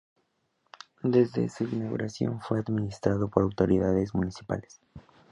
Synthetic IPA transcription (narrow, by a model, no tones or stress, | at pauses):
d̪e̞zðe̞̰suinaɣṵɾasjo̞̰ɱfweaðminist̪ɾaðo̞po̞ɾawt̪o̞ɾiðaðe̞zmunisi̥pa̰le̥s